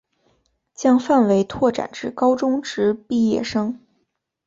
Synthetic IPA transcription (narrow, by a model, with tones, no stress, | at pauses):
t͡ɕjɑ˥ŋfa˥˩nwe˧˥ɪt̪ʰwɔ˥˩ʈ͡ʂa̰˨˩nʈ͡ʂɻ̩˥˩kɑ˥ʊʈ͡ʂʊ˥ŋʈ͡ʂɻ̩˧˥pi˥˧jɛ˥˩ʂɤ˥ŋ